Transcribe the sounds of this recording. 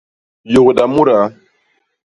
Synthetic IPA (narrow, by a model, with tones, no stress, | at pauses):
jo˨kɗa˨mu˦ɾa˨